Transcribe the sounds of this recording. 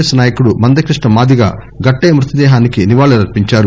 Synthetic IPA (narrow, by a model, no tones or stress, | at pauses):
sɐnaːjɐkuɽumɐnd̪ɐkɾiʂʈɳɐmaːd̪iɡa̰ː | ɡɐʈːeːmɾut̪ɐd̪ɛːɦaːnikiniʋaːɭɐɾɐɾpiɲt͡ʃaːɾu